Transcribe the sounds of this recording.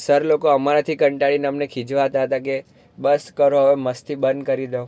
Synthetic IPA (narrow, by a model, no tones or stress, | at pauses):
səɾlokoəmaɾat̪ʰikəɳʈaɭineəmnekʰĩd͡ʒʋaɦət̪aɦət̪ake | bəskəɾoɦəʋeməst̪ʰibənd̪̚kəɾid̪eõ